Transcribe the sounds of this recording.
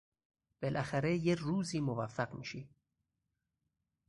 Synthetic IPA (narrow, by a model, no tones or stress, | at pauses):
b̥elʔæxæɾejeɾuːziːmovæfːæɢmḭːʃi